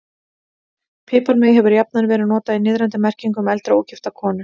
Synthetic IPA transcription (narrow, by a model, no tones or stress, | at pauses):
pʰɪːpœɾmɪðjɦɛvʏɾjap̚nanvɛːɾɪðnɔːt̪aðinɪːðɾɛnt̪ɪmɛr̥ciŋkʏmɛlt̪ɾaowcɪft̪akʰɔːnʏ